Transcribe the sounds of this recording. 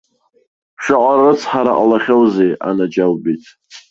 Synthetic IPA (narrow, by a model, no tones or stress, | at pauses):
ʃaʔʷʼarɨt͡sʰħaɾaʔʼalaχʲowzejʔa̰nad͡ʒawbitʼ